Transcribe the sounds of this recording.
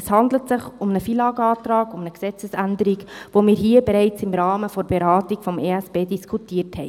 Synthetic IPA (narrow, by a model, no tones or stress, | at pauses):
shɑndlətsɪχʊmnəfiːlɑːɡɑːt̪ɾɑːɡʊmnəksɛt͡səsændəɾiɡʋomiːɾɦiːəbɛɾɛɪt͡sɪmɾɑːməfɔɾb̥ɛɾɑːtiɡfɔmʔeːæsb̥eːdiskʰutiəthɛ̰ɪ